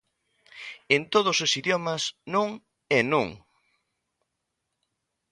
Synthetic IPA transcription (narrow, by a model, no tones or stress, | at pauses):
ent̪oð̞ʊsosiðjɔmɐsnõŋ | enõŋ